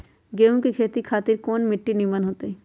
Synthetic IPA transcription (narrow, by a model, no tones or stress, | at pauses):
ɡeːũkikʰeːt̪ikʰaːt̪ɪɾkoːnmɪʈːinimənɦoːt̪eɛː